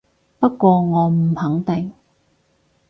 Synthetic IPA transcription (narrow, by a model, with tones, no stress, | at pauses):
pɐ˥t̚kʷɔː˧ŋɔː˨˧m̩˨˩hɐ˨˥ŋt̪ɪ˨ŋ